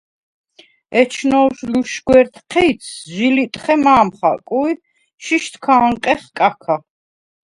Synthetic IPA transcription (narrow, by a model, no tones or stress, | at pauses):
ɛt͡ʃʰnɔwʃluʃɡwɛɾt̪ʰqʰɛit̪sʰʒilit̪ʼχɛmaːmχa̰kʼui | ʃiʃt̪ʰkʰaːɴqʼɛχkʼakʰa